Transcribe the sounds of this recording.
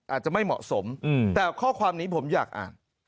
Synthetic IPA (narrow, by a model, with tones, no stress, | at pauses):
ʔaː˨˩t̪̚t͡ɕa˨˩ma˥˩jmɔ̰˨˩ʔso˩˦m˧˩t̪ɛː˨˩wkʰɔː˥˩kʰwaː˧mniː˦˥pʰo˩˦mjaː˨˩k̚ʔa̰ː˨˩n